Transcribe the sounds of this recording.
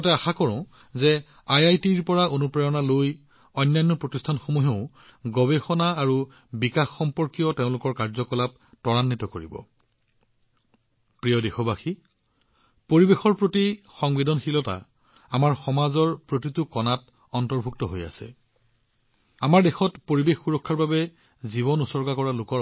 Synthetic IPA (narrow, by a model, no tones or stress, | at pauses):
ɔtɛaxakɔɹɔ̃ | zɛ | ajajtiɹpɔɹaʔonupɹajɔnaloj | ɔjnːajnːɔpɹotistʰanxomuɦeʊ | ɡɔbexɔnaːɹu | bikaxːɔmpɔɹkijɔteʊ̃lʊkɔɹkaɹzɔkɔlap̚ | tɔɹanːitɔkoɹibɔ̰ | pɹijɔdexɔbaxi | poɹibexɔɹpɹotixɔŋbidɔnxilɔta̰ | amaɹxɔmazɔɹpɹot̬itʊkɔnat | ɔntɔɹbʱuk̚tɔɦoja̰sɛ̰ | amaɹdexɔtpoɹibexːuɹɔkʰːaɹbabɛ | ziβɔnusɔɹɡakɔɹalʊkɔ